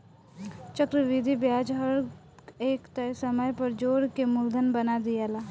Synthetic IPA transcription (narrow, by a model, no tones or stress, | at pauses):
t͡ʃəkɾəʋid̪ʱibjaːd͡ʒɦɐɾ | eːkt̪ɐsəməjpɐɾd͡ʒoːɾkemʊld̪ʱənbɐnad̪ijaːlaː